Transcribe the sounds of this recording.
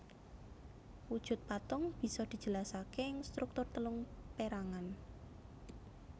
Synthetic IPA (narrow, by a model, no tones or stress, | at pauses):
wud̥ʒ̥ṳt̪̚pat̪ʊŋb̥i̤sɔd̪̥i̤̥d͡ʒ̥ə̤lasakeŋst̪ɾuk̚t̪ʊrt̪əlʊŋpeɾaŋan